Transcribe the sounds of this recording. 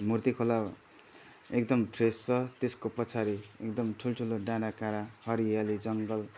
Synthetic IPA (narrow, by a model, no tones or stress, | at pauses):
murt̪ikʰola | ekd̪ʌmpʰrest͡sʌt̪eskopʌt͡sʰaɾiḛkd̪ʌmʈʰulʈʰuloɖãɽakaɾahʌɾijalid͡zʌŋɡʌl